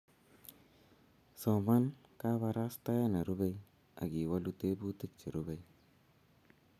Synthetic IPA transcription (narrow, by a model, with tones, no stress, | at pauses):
sɔ˨ma˦nka˦βa˨ɾa˦sta˦ja˦na˨ɾu˦bɛ˦j | a̰˨ɡi˨wa˦lu˦te˦bu˦ti˦k̚t͡ʃe˨ɾu˦bɛ˨˦j